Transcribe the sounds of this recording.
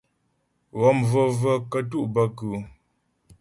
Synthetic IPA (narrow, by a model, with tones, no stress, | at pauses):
ɣɔ˨˦˨mvə˦˨və˦kə˦t̬u˦˨ʔbə˦kʉ˨